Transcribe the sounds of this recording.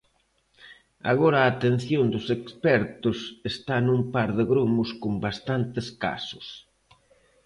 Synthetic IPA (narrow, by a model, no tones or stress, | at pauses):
a̰ɣɔɾɐaːt̪en̟θjond̪ʊsekspɛɾt̪ʊsest̪anumpaɾðɪɣɾumʊskombast̪ant̪ɪska̰sʊs